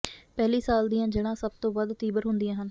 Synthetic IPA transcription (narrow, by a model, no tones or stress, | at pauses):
pɛːliːsaːld̪ijãːd͡ʒeɽãːsəb̚t̪õːʋəd̪t̪iːbəɾɦʊnd̪ijãːɦən